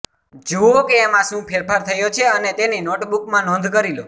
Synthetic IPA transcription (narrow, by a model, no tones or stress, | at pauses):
d͡ʒookeːmãʃũpʰeɾpʰaɾt̪ʰəjot͡ʃʰeənet̪eninoʈbukmãnɔ̃nd̪ʱkəɾilo